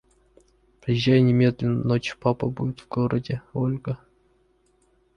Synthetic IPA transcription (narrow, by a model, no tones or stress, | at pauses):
pɾʲɪjɪʒːæjʊnʲɪmʲed̪lʲɪnnot͡ɕpapəbudʲɪt̪vɡoɾədʲɪolʲɡə